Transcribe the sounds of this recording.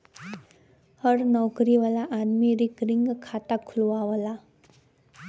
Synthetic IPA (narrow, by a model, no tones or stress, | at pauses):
həɾnɔwkɾiʋalaʔanmiɾikɾɪŋɡkʰaːt̪akʰʊlʋaʋəla